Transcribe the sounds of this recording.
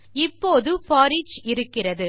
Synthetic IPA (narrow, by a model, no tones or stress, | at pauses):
ɪpːoːðɯfɔːɾit͡ʃɪɾɯkːɪrɐðɯ